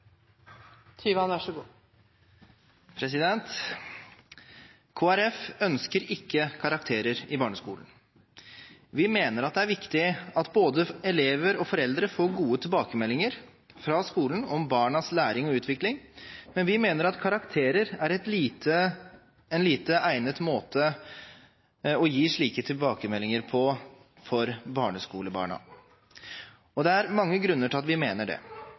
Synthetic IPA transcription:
t̪ʰyːʋɑnʋæʂəɡuː | pʰɾɛsɪd̪ɛnt̪ | kʰoːæɾɛfœnskəɾɪkːəkʰɑɾɑkt̪ʰeːɾəɾɪbɑːɳəskṵːln̩ | ʋɪmeːnəɾɑt̪d̪ɛæɾʋɪkt̪ɪɑt̪boːd̪əɛleːʋəɾɔfɔɾɛld̪ɾəfoːɾɡuːət̪ʰɪlbɑːkəmɛlːɪŋəɾ | fɾɑskuːlən̩ɔmbɑːɳɑslæːɾɪŋɔʉːt̪ʋɪklɪŋmɛnʋɪmeːnəɾɑt̪kʰɑɾɑkt̪ʰeːɾəɾæɾɛt̪liːt̪ʰə | ɛnliːt̪əæɪnət̪moːt̪ʰə | ɔjiːʂɭiːkət̪ʰɪlbɑːkəmɛlːɪŋəɾpʰɔ | fɔɾbɑːɳəskuːləbɑ̰ːɳɑ̰ | ɔd̪ɛæɾmɑŋːəɡɾʉnːəʈʰɪlɑt̪ʋɪmeːnəɖɛ̰

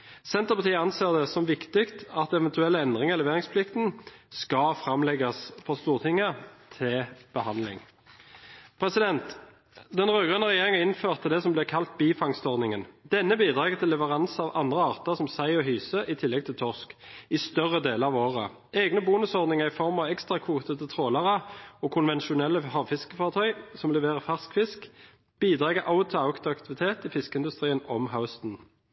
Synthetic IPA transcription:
sɛnt̪əʁpɑt̪ʰiːəɑnseːʁd̪ɛsɔmʋɪkt̪ɪkt̪ɑt̪ɛʋɛnt̪ʉɛlːəɛnd̪ʁɪŋəʁlɛʋeːʁɪŋspʰlɪkt̪n̩skɑfʁɑmlɛɡɑsfɔʁst̪uːʁt̪ʰɪŋːət̪ʰɪb̥əhɑnlɪ̰ŋ | pʰʁɛsɪd̪ɛnt̪ | d̪ɛnʁøːɡʁənəʁɛjeːʁɪŋəɪnføːʁt̪əd̪ɛsɔmblɪkʰɑlt̪̚biːfɑŋst̪ɔʁd̪nɪŋənd̪ɛnːəbiːd̪ʁɑːɡət̪ʰɪlːɛʋəʁɑnsɑːʋʔɑnd̪ʁəɑːʁt̪əʁsɔmsæɪɔɦyːsəʔɪt̪ʰɪlːɛɡ̚t̪ʰɪlt̪ʰɔʁskɪst̪œʁːəd̪eːləʁɑʋoːʁə̰ | ʔeːɡnəbuːnʉsɔʁd̪nɪŋəʁɪfɔʁmɑʋɛkst̪ʁɑkʰʋuːt̪ət̪ət̪ʰʁoːlɑʁəɔːkʰʊnʋɛnʃʊnɛlːəhɑːʋfɪskəfɑːʁt̪ʰœʏsɔmlɛʋeːʁəfæʁskfɪsk | b̥iːd̪ʁɑːɡəʔaʊt̪ʰəɑʊkt̪ɑkt̪ɪʋɪt̪ʰeːt̪ɪfɪskəɪnd̪ʉst̪ʁiːənɔ̰mɦaʊst̪n̩

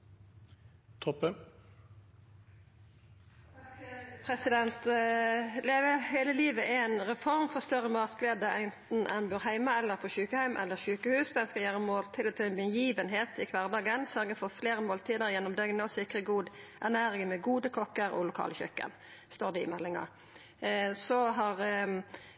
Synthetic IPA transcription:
t̪ʰɔpːə | pʰʁɛsɪd̪ɛnt̪ | leːʋəheːləliːʋəʔɛeːnʁɛfɔʁmfɔʁst̪œʁəmɑʁskleːd̪əʁæɪnt̪n̩ʔɛ̰nbʉːʁɦæɪmɑɛlːəʁpʰɔʃʉːkəhæɪmʔɛ̰lːəʁʃʉːkəhʉːsd̪ɛnskɑjæːʁəmoːlt̪ʰɪlɔt̪ʰɑɪnbənjiːʋənɦeːt̪ɪkʰʋɑʁd̪ɑːɡənsœʁɡəfɔʁfleːʁəmoːlt̪ʰiːd̪əʁjɛnːɔmd̪œŋnɔsɪkʁəɡuːd̪ʔæʁnæːɾɪŋmɛɡuːd̪əkʰɔkəɾɔ̰lʊkʰɑ̰ːləçœ̰kːə̰n | st̪oːʁd̪ɛɪ̰mɛlːɪŋɑ̰ | sɔɦɑʁ

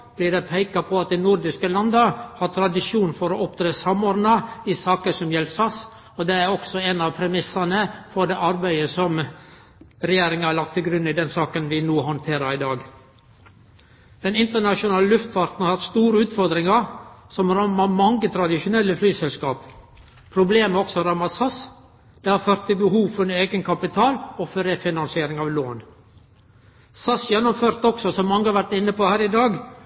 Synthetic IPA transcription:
b̥lɪːd̪ɛpʰæɪkɑpʰɔɑt̪̚d̪ɛɪnʊɾd̪ɪskəlɑnd̪ɑhɑt̪ʰɾɑd̪ɪʂjuːnfɔɾɔʔɔpt̪ɾeːsɑmoːɾd̪nɑɪsɑːkəsɔmjɛlsɑs | ɔd̪ɛæɾɔksɔɛnɑʋpʰɾɛmɪsɑnəfɔɾd̪ɛːʔɑɾbæɪəsɔm | ɾɛjeːɾɪŋəhɑɾlɑk̚t̪ʰːɪlɡɾʉnːɪd̪ɛnsɑːkənʋɪnuːhɔnt̪ʰeːɾəɾɪd̪ɑːɡ | d̪̥ɛnɪnt̪əɳɑʂʊnɑːləlʉft̪ʋɑɾt̪n̩hɑɾhɑt̪st̪uːɾəʉːt̪fɔɾd̪ɾɪŋɑsɔmɾɑmːɑmɑŋɡət̪ʰɾɑd̪ɪʃʊnɛlːəflyːsɛlskɑːp | pʰɾʊbleːməɔksɔɾɑmɑsɑs | d̪̥ɛhɑɾføːɾt̪ʰːɪlbəhuːʋfɔɾneːɡənkʰɑpɪt̪ʰɑːlɔfɔɾɛfɪnɑnsɪeːɾɪŋɑːʋloːn | sɑsjɛnːʊmføːɾt̪ɔksɔsɔmːɑŋːəhɑɾʋæɾʈ̪ɪnːəpohæːɾɪd̪ɑːɡ

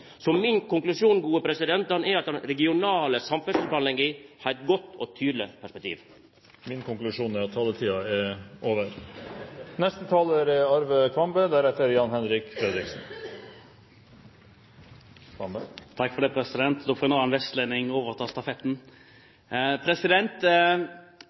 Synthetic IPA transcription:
sɔmɪnkʊŋklʉʂuːnɡuːəpʰɾɛsɪd̪ɛnt̪ɑnɛɾɑt̪̚d̪ɛnɾɛɡɪʊnɑːləsɑmfɛsəpɑnɛŋɡihɑːɾɛt̪̚ɡɔt̪ːɔt̪ʰyːd̪lɪ̰pʰæʂpɛk̚t̪ʰḭːʋ | mɪnkʊŋklʉʂuːnæɾɑt̪hɑlːət̪ʰiːɑɛʔoːʋəɾ | nɛst̪ət̪ʰɑːləɾɛɑɾʋəkʰʋɑmbəd̪æɾɛt̪əɾjɑːnhɛnɾɪkfɾɛd̪ɾɪksn̩ | t̪ʰɑkːfɔd̪ɛːpʰɾɛsɪd̪ɛnt̪d̪ɔfɔːnoːɛnʋɛst̪lenɪŋoːʋəʁɔt̪ʰɑːst̪ɑfɛt̪n̩ | pʰɾɛsɪd̪ɛnt̪

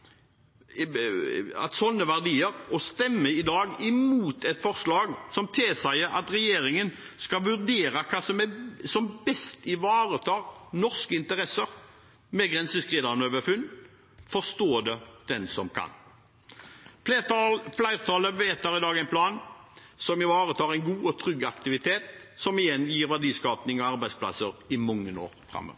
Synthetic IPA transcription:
ɑ̰t̪sɔnːəʋæʁd̪iːəʁɔst̪ɛmːəɪd̪ɑːɡɪmuːt̪ʰɛt̪fɔʁslɑːɡsɔmt̪ʰɪlsæɪəɾɑ̰t̪ʁɛjeːɾɪŋənskɑʋʉʁd̪eːɾɑkʰɑːsɔmɛsɔmbɛst̪ɪʋɑːʁət̪ʰɑːʁnɔʁskəɪnt̪əʁɛsəʁ | mɛɡʁɛnsəskʁiːd̪ɑnøːʋəfʉn | fɔst̪oːd̪ɛd̪̥ɛnsɔmkʰɑ̰n | flæɪʁt̪ʰɑːləʋeːt̪əʁɪd̪ɑːɡæɪnpʰlɑːn | sɔmɪʋɑːʁət̪ʰɑːʁæɪnɡuːɔt̪ʰɾʏɡːɑkt̪ɪʋɪt̪ʰeːt̪ | sɔmɪjɛnːjiːɾʋæɖiːskɑːpnɪŋɔɑʁbæɪspʰlɑ̰səʁɪmɔŋːəno̰ːɾfɾʁɑ̰mːø̰ːʋə

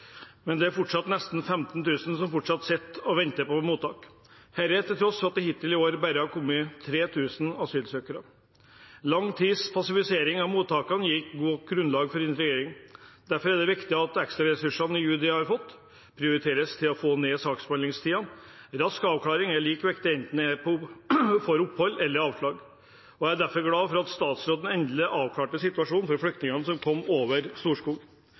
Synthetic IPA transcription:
mɛnd̪ɛæɾfʊʈʂɑt̪nɛst̪n̩fɛmt̪nt̪ʉːsn̩sɔmfʊʈʂɑt̪sɛt̪ːɔʋɛnt̪əpɔmuːt̪ːɑ̰ːk | hæɾɛt̪ɪlt̪ʰɾɔsɑt̪̚d̪ɛɦɪt̪ːɪlɪoːɾbæɾəhɑɾkʰʊmːət̪ʰɾeːt̪ʰʉːsn̩ɑsyːlsøːkəɾə | lɑŋːt̪ʰiːspʰɑsɪfɪseːɾɪŋɑʋmuːt̪ːɑːkɑnjɪkɡuːɡɾʉnlɑːɡfɔɾɪnɾɪjeːɾɪŋd̪̥æɾfɔɾæɖ̪ɛʋɪkt̪ɪɑt̪ɛkst̪ɾɑɾɛsʉʂɑnɪjʉːd̪ɪhɑɾfɔt̪ː | pʰɾɪʊɾɪt̪ʰeːɾəst̪ʰɪlɔfoːneːsɑːkspɑnlɪŋst̪ʰiːɑn | ɾɑskɑːʋkʰlɑːɾɪŋæɭiːkʋɛkt̪ɪɛnt̪n̩ɛpʰɔfɔɾʊpːhɔlːɛlːəɾɑːʋʂlɭɑːɡ | ɔææɖ̪æɾfɔɾɡlɑːfɔɾɑt̪st̪ɑːt̪sɾoːd̪n̩ɛnd̪ləʔɑːʋkʰlɑːʈəsɪt̪ʉʋɑʂuːnfɔɾflʏkt̪nɪŋɑnəsɔmkʰɔmːoːʋəɾst̪uːʂkuːɡ

